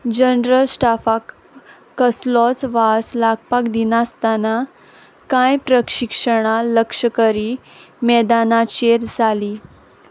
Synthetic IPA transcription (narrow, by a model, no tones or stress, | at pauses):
d͡ʑənɾəlsʈafakː | əslɔt͡sʋaslaɡ̚pakd̪inast̪ana | kãjpɾəkʂikʂəɽ̃aləkʂəkəɾimɛd̪anat͡ɕeɾd͡zʱaliː